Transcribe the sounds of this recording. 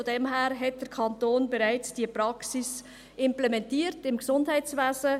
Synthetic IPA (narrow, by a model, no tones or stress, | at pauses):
fodɛmɦæːɾɦɛt̚d̥əɾkʰɑntoːnbeɾaɪt͡sd̥iəpɾɑksis | ɪmplɛmɛntiːəɾtɪmksʊndhæɪtt͡svæːzə